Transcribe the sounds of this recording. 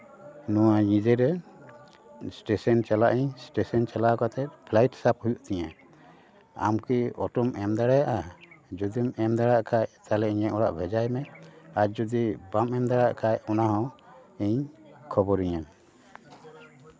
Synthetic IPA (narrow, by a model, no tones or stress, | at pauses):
nɔwaɲĩd͡ʒɛɾɛ | sʈɛsɔnt͡ʃalaʔiɲsʈɛsɔnt͡ʃalakat̪ɛt̪̚pʰlajʈsap̚hujuʔt̪ɛɲã | a̰mkiɔʈɔmɛmd̪aɽɛjaʔad͡ʒɔd̪imɛmd̪aɽaʔkʰajt̪alɛiɲaɔɽa̰ʔbʱɛd͡ʒajmɛad͡ʒɔd̪ibamɛmd̪aɽaʔkʰajɔnaɦɔ̃ɛɲkʰɔbɔɾiɲan